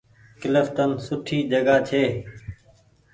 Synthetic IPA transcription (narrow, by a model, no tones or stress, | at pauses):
kɪləft̪ənsʊʈʰiːd͡ʒəɡaːt͡ʃʰeː